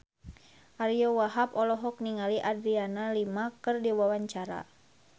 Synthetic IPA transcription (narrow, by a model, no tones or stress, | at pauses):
ʔaɾijɔwaɦapɔlɔɦɔk̚niŋaliʔadɾianalimakɨrdiwawaɲt͡ʃaɾa̰